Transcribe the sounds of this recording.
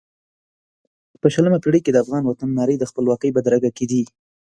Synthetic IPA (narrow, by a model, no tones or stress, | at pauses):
pəʃələmapiɽəked̪əafɣɑnwat̪anːɑɾəjd̪əxpəlwɑqəjbad̪ɾaɡaked̪i